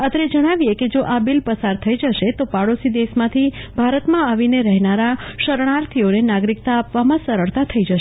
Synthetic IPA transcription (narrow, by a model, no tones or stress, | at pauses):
ət̪ɾed͡ʒəɽ̃aʋieked͡ʒoʔabilpəsaɾt̪ʰəid͡ʒəʃet̪opaɽosid̪esmãt̪ʰibʱaɾət̪mãaʋineɾɛɦnaɾaʃəɾɽ̃aɾt̪ʰionenaɡɾik̚t̪aːpʋamãsəɾəɭt̪at̪ʰəid͡ʒəʃ